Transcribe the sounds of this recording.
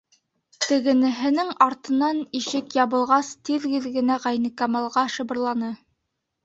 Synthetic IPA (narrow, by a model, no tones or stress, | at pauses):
t̪ɘ̆ɡɘ̆nɘ̆ɦɘ̆nɘŋɑɾt̪ɤ̆nɑniʃɘkjɑβɤ̆lˠʁɑst̪iðɡɘ̆ðɡɘ̆næʁæjnɘ̆kɑmɑlˠʁɑʃɤ̆bɤ̆ɾlˠɑnɤ